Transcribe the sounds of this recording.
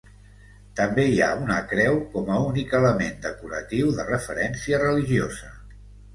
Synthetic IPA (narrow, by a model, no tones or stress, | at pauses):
t̪əmbeia̰unəkɾɛwkɔməunikələmend̪əkuɾət̪iwðərəfəɾɛnsiərəliʒiozə